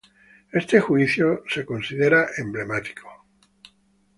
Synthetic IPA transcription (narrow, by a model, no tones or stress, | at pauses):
e̞st̪exwiθjose̞ko̞nsiðe̞ɾaʔemble̞mat̪i̥kʰo̥